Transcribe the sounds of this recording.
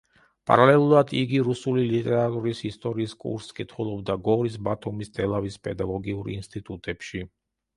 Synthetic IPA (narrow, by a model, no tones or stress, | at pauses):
pʼa̰ɾalɛlˠuɾad̪iɡiɾusulilit̪ʼɛɾat̪ʼuɾisist̪ʼɔɾiːskʼṵɾskʼit̪ʰχulˠɔbd̪aɡɔɾis̬bat̪ʰumist̪ʰʼɛlˠavispʼɛd̪aɡɔɡiuɾḭnst̪ʼit̪ʼut̪ʼɛpʃi